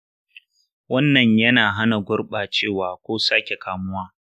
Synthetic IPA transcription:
wɐ˦nːɐ˨ɲjɐ˦naː˨ɦa˦na˨ɡʷʊ˦rɓaː˨t͡ʃeː˦˨waː˨kʷoː˦saː˦kʲe˨kaː˨mʊ˦waː˦

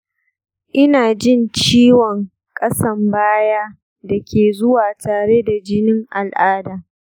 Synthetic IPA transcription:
ʔɪ˦naː˨d͡ʒɪ˦˨nt͡ʃiː˦wɔ˨ŋ | kʼɐ˦sɐ˦mbaː˦jaː˦ | da˨kʲeː˨zʊ˦waː˨tʰaː˨ɽe˦da˨d͡ʒɪ˦nɪ˦ŋʔa˨lʔaː˦daː˨

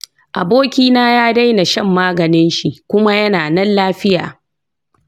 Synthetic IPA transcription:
ʔa˨boː˦kʲiː˦naː˦jaː˦da˦jna˨ʃɐ˦˨mːaː˦ɡɐ˨nɪ˦nʃi˨ʔkʷʊ˦ma˦jɐ˦naː˨nɐ˦nlaː˦ɸɪ˦ja̰ː˨

